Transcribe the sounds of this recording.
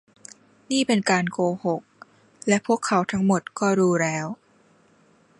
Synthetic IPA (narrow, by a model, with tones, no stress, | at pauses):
niː˥˩pe˧nkaː˧nkoː˧ho˨˩k̚ | lɛ˦˥ʔpʰu˥˩əkʰːa˦˥wt̪ʰa˦˥ŋmo˨˩t̪̚kɔː˥˩ɾuː˦˥ɾɛː˦˥w